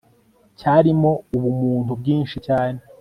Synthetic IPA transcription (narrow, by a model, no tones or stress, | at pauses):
caːɾimo̞uβumuːntubɡiːnʃicaːne